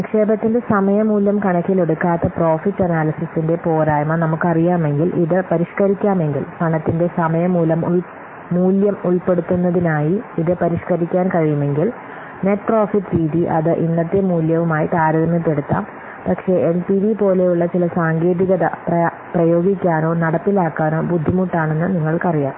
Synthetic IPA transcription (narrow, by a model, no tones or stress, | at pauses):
kʂe̞ːbɐt̪ːinde̞sɐmɐjɐmuːlːɐmkɐɳɐkʲːiloɽukːaːt̪ːɐpro̞ːfiʈːɐnaːlɐsisinde̞po̞ːɾaːjmɐnɐmukːɨɐrijaːme̞ŋɡilʔiðɨpɐɾiʂkɐɾikʲːaːme̞ŋɡilpɐɳɐt̪ːinde̞sɐmɐjɐmːuːlɐmu | muːljɐmuɭpe̞ɽut̪ːunːɐðinaːjiiðɨpɐɾiʂkɐɾikʲːaːnkɐɻijume̞ŋɡil | neʈproːfiʈːɾiːðiʔɐ̰ðɨʔinːɐt̪ːemuːljɐʋumaːjit̪aːɾɐðɐmɐp̪ːe̞ɽut̪ːa̰ːm | pɐkʂe̞enpiʋipo̞ːle̞juɭːɐt͡ɕilɐsaːŋɡe̞ːðiɣɐðɐprɐ | prɐjo̞ːɡikʲːaːno̞ːnɐɽɐpːilaːkːaːno̞ːbud̪ʱːimuʈːaːɳe̞nːɨniŋːɐɭkɐrijaːm